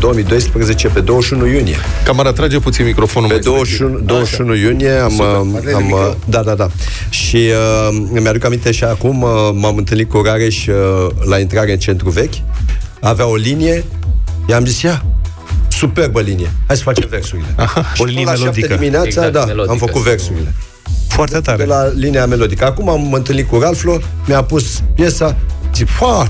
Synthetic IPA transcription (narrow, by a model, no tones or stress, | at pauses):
d̪o̞wəmijd̪o̞jspɾəze̞t͡ʃe̞pe̞d̪o̞wəʃunujunije̞̰kamaɾat̪ɾad͡ʒeput̪sinmikɾo̞fonuped̪owəʃunud̪owəʃunujunije̞amamd̪ad̪ad̪a | ʃiəmjad̪ukamint̪e̞ʃiakumːamɨnt̪ɨlnit̪kuɾaɾe̞ʃʲlaint̪ɾaɾeɨnt͡ʃe̞nt̪ɾuve̞kʲ | aveao̞linije̞ | ʃiamzisja | supe̞rbəlinije̞hajsə̥fat͡ʃemve̞rsuɾile̞ahaolilaʃapd̪ied̪imineatsad̪aamfəkut̪ve̞rsuɾile̞ | foart̪et̪aelaliniame̞lo̞d̪ikəakumamɨnt̪ɨlnit̪̚kuɾalflo | mjapuspje̞samzifa